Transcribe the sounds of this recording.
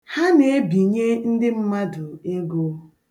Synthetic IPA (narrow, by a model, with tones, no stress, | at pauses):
ha˦ne˨e˦bi˨ɲe˦n̩˦dɪ˦m̩˦ma˦dʊ˨e˦ɡo˦